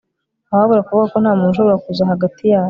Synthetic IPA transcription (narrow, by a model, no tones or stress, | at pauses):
aaaβoɾakuβuɡakonhaːmuːnʃoβoɾakuzaɦaɡatijaːwo